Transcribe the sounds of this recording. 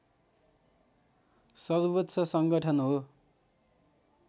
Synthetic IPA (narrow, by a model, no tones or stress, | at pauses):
sʌrbʌtːsʰʌsʌŋɡʌʈʰʌnɦo